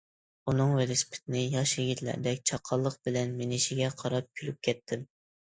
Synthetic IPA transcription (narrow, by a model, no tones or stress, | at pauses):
unɨŋwɪlɪspʰɪ̥t̪ʰɪnɪjɑʃjeɡʲit̪læ̰ɾd̪ɛkʲt͡ʃʰɑqʰːɑlˠːəq̚bɪlɛnmenɪʃiɡʲɛqʰɑɾɑp̚kʲʰylyp̚kʲʰɛt̪ʰːɪm